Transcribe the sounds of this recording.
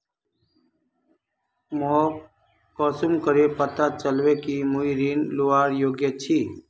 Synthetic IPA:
moː | kɔːsumkəɾeːpət̪aːt͡ʃəlʋeːkiːmuiɾiːnluaːɾjoːɡjət͡ʃʰiː

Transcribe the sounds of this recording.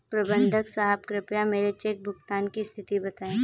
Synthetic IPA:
pɾɐbə̃nd̪ʱəksaːɦəbkɾɪpjameːɾet͡ʃek̚bʱʊɡt̪aːnkist̪ʰɪt̪ibɐt̪aːẽː

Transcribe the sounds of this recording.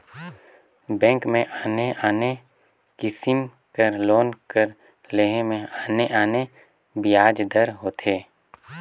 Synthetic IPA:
bɛ̃ːŋkmẽʔaːneaːne | kɪsɪm | kəɾloːnkəɾ | leɦemẽaːneʔaːne | bɪjaːd͡ʒd̪əɾɦoːt̪ʰeː

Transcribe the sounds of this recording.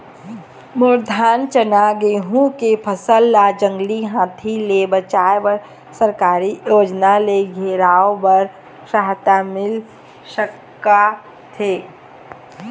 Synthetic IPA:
mʊɾd̪ʱaːnt͡ʃənaɡeːɦũkepʰəsəlːad͡ʒə̃ŋɡliɦãːt̪ʰilebət͡ʃaːebəɾ | səɾkaːɾijoːd͡ʒnaleɡʱeːɾaːõbəɾ | saɦt̪amɪl | ʃəkː | a | t̪ʰeː

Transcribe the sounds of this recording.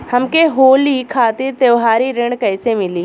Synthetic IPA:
hɐmkeɦoːlikʰaːt̪iɾt̪eʋɦaːɾiɾẽɳɖkɐːsemɪliː

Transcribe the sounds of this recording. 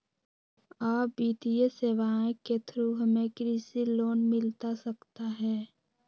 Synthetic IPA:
aːpbiːt̪ieseːʋaːẽket̪ʰɾuɦəmẽkɾiːsiloːnmɪlt̪asəkt̪aɦɛː

